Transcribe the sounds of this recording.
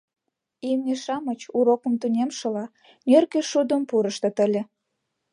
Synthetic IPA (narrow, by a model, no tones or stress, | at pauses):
imnʲeʃɑmət͡ɕuɾokə̆mt̪unʲemʃɤ̆lɑ | nʲørkeʃud̪ə̆mpuɾə̆ʃt̪ɤ̆t̪ə̆lʲĕ